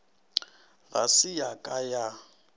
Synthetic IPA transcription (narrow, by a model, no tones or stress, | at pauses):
ɣa̰sɪjakʼaja